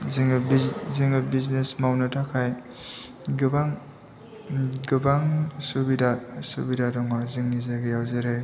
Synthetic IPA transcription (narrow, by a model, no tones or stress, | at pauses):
ziŋbiziŋɯbiznesmawnɯtʰakʰaj | ɡɯbaŋ | ɡɯbaŋsubidasubidadɔŋɔzɯŋnizaɡɯjawzeɾɯj